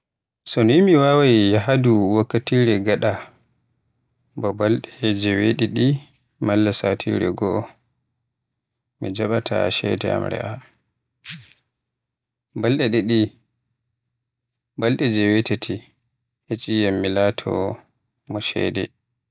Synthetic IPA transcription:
sɔnimiwawajjaɦaduwakːatiɾɛɡaɗa | bɔbalɗɛd͡ʒɛweɗiɗi | malːasatʰḭɾɛɡɔ | mid͡ʒaɓatʰa̰ʃɛ̰dɛa̰mɾɛ̰ʔa | balɗɛɗɛɗi | balɗɛd͡ʒɛwetetʰi | het͡ʃʼijamːilaːtʰɔ̰ | mɔʃɛ̰dɛ̰

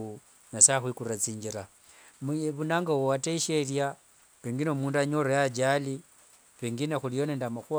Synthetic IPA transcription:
u | nasaxwikuɾat͡siːɲd͡ʒiɾa | mβunaːŋɡawowateiʃerja | βeŋɡino̞muːnduaɲoɾojad͡ʒali | βeːŋɡinexulijo̞nendamaxu

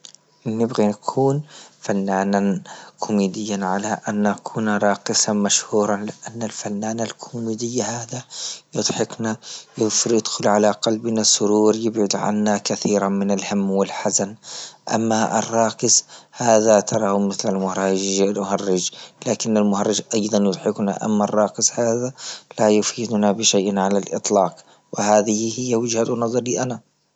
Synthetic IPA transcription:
nɪbɣinakʰuːnfanːaːnankʰʊmiːd̪ɪjːanʕalaʔanːakʰuːnaɾˤɑːkɪsamaʃhuːɾˤɑnlɪʔanːalfanːaːnalkʰʊmiːd̪ɪjːahaːd̪ajʊd̪ˤħɪknajɪfɾjɪd̪xʊlʕalaqɑlbnasʊɾuːɾjɪbʕʊd̪ʕa̰nːakaθiːɾamɪnalhamːwɪlħazanʔa̰mːaɪ̰rˤːɑːkɪzhaːðat̪ʰɑɾˤɑhmɪθlalmʊhɾˤɑːlmʊhɑrˤːɪd͡ʒlaːkɪnːalmʊhɑrˤːɪd͡ʒʔɑjd̪ˤɑnjʊd̪ˤħɪkna̰ʔa̰mːarˤːɑːkɪshaːðalajʊfiːd̪ʊnabɪʃajʔnʕalalʔɨ̰t̪ˤlɑːq | wɪhaːðɪhɪhɪjːawɪd͡ʒhat̪nɑðˤɑɾˤliʔana

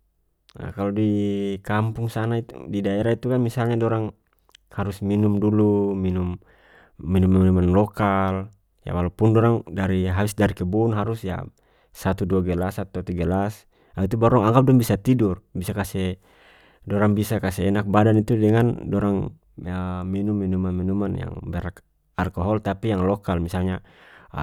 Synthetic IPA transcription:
a̰kalɔdikampuŋsanait̪ṵdidaɛɾait̪ukanmisalɲadɔɾaŋ | haɾusminumduluminumː | inumːɛmnɛmanlɔkal | ja̰walupundɔɾaŋdaɾiɦaisdaɾikɛbuunɦaɾusja̰ | sat̪uduaɡɛlasat̪uat̪iɡalas | ait̪ubaɾɔŋaŋɡap̚dɔŋbisat̪idurbisakasɛ | dɔɾaŋbisakasɛɛnak̚badanit̪udɛŋandɔɾaŋ | minumːinumanminumanja̰ŋbɛɾak | alkɔɦɔlt̪apijaŋlɔkalmisalɲa

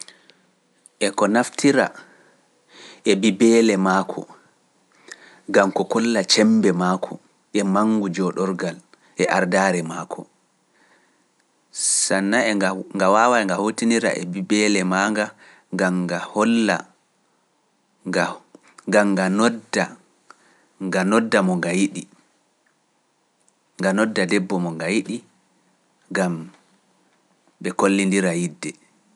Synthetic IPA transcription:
ʔɛkɔnaftʰiɾa̰ | ʔɛbibɛːlɛmaːkʰɔ̰ | ɡamkɔkɔlːat͡ʃɛmbɛmaːkʰɔ | ʔɛmaŋɡud͡ʒɔɗɔɾɡal | ʔɛʔaɾdaːɾɛmaːkʰɔ | sanːaɛŋɡawawaɛŋɡahotiniɾa̰ʔɛ̰bibɛlɛmaːŋɡa | ŋɡamɡahɔlːa̰ | a | ɡamɡanɔda | ŋɡanɔdːamɔŋɡajiɗi | ŋɡanɔdːadɛbːɔmɔŋɡajiɗi | ɡam | ɓɛkolːindiɾajidːɛ

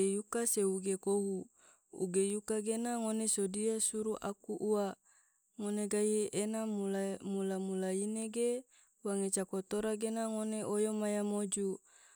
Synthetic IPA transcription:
ejukaseuɡekoɦu | ṵɡejukaɡenaŋonesodiasuɾuʔakuʔua | ŋoneɡajienamlamulamulaineɡe | waŋet͡ʃakot̪oɾaɡenaŋoneʔojomajamod͡ʒu

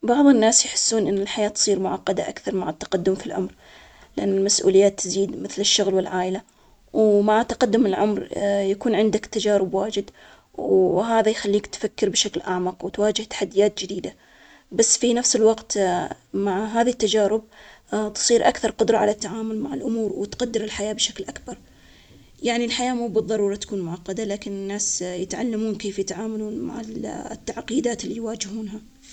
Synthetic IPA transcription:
bɑʕðˤɨnːaːsjħɪ̥sːuːnʔɪnːɪlħajaːt̪sˤiːɾmʊʕɑqːɑd̪a̰ʔakθɑɾˤmaʕɪt̪ːɑ̥qad̪ːʊmfilʕʊ̰mɾ | lɪʔanːɪlmasʔṵːlɪjːaːt̪ːɪziːd̪mɪθlɪʃːʊɣlwɪlʕaːʔla | wmaʕt̪ːaqad̪ːʊmɪlʕʊmɾjakuːnʕɪnd̪akt̪ːad͡ʒaːɾɪbwaːd͡ʒɪd̪ | wɦaːðajxalːiːkt̪fakːɪɾbʃaklʔaʕmɑqwt̪waːd͡ʒɪht̪ḁħad̪ːɪjaːt̪̚d͡ʒɪd̪iːd̪a | basːfinafsɪlwɑqt̪maʕɦaːðit̪ːad͡ʒaːɾɪb̚t̪ɨ̥sˤiːɾʔakθɑɾˤqʊd̪ɾˤɑʕalat̪ːaʕaːmʊlmaʕɪlʔʊmuːɾwɪt̪qad̪ːɪɾɪlħajaːbʃaklʔakbɑɾˤ | jaʕnilħajaːmuːbɨðˤːɑɾˤuːɾˤɑt̪ḁkuːnmʊʕɑqːɑd̪alaːkɪnɪnːaːsjɪt̪ʕa̰lːamuːnkeːfjɪt̪ʕaːmaluːnma̰ʕa̰t̪ːaʕqiːd̪aːt̪ɪlːijwaːd͡ʒɪhuːnɦa

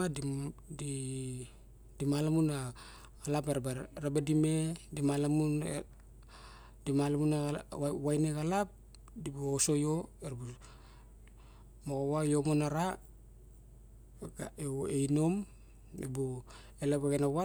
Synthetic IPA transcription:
addi | dimalamunaː | lapeɾbɾabadimedimalamun | dimalamunawajneɡalap̚ | dibuoso̞joeɾbu | moɣowajomonaɾa | ɡaeejno̞m | ḛbu | elapaɡenawa

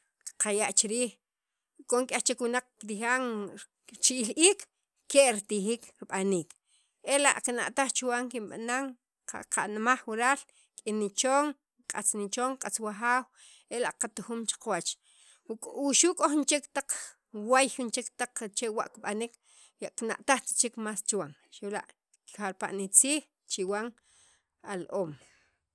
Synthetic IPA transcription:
kqʰajaʔt͡ʃiɾiːχ | kʼoŋkʼext͡ʃekwunaq͡χkɾixaːŋ | t͡ʃiʔiliːkː | eʔɾit̪ixiːkɾiɓaniːk | ela̰ʔqina̰ʔt̪aχt͡ʃwaːŋkinɓa̰naŋ | aqa̰nmaχwuɾaːl | kʼinit͡ʃoːŋ | kʼat͡snit͡ʃoːŋqʼat͡swaxaːw | elaʔqat̪uxuːmt͡ʃḁqwat͡ʃ | kʼuʃukʼoχnt͡ʃekt̪aq͡χ | wajxint͡ʃekt̪aq͡χt͡ʃewa̰ʔkiɓanik | jaʔkina̰ʔt̪aχt͡ʃi̥t͡ʃikmaːst͡ʃwaŋʃewla̰ʔ | xaɾpa̰ʔnit͡siːx | t͡ʃiwaŋ | alʔoːm

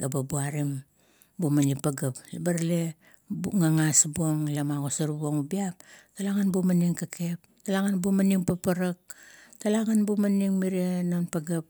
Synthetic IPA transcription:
ɡababuaɾim | bumanipaɡaplabaɾle | bŋaŋasbuoŋlamaɡosaɾbuoŋubiap̚talaŋanbumaniŋkake̞p̚ | talaŋanbumaniŋpapaɾak̚talaŋanbumaniŋmiɾenonpaɡap̚

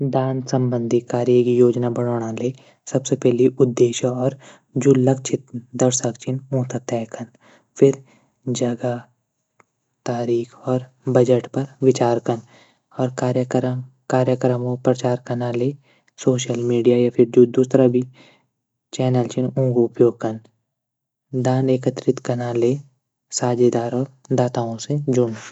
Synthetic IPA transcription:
d̪aːnsə̃mbə̃nd̪ʱikaːɾijəkijoːd͡ʒnabəɽoːɽ̃ãleː | sɐbsepɛɦliʔʊd̪ːeːʃɔːɾ | d͡ʒʊlːək̚t͡ʃʰɪt̪̚d̪əɾsəkt͡ʃʰɪnũːt̪ət̪ɛːkən | pʰɪɾ | d͡ʒəɡa | t̪aːɾiːkʰɔːɾ | bəd͡ʒəʈpɐɾʋɪt͡ʃaːɾkən | ɔːɾkaːɾjəkɾəkaːɾjəkɾəmõpɾɐt͡ʃaːɾkɐnaleː | soːʃəlmiːɖijajapʰɪɾd͡ʒud̪uːsɾabʱi | t͡ʃɛːnəlt͡ʃɪnũːɡʊpjoːɡ̚kɐn | d̪aːneːkət̪ɾɪt̪kɐnaleː | saːd͡ʒed̪aːɾɔːɾd̪aːt̪aːõsed͡ʒʊn

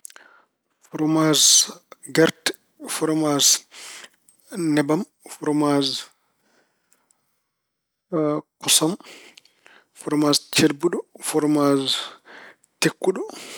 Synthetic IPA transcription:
fɔɾɔmazɡɛɾtɛ̥ | fɔɾɔmaz | nɛbam | fɔɾɔmaz | kɔsɔm | fɔɾɔmazt͡ʃeɾbuɗɔfɔɾmaz | tekːuɗɔ

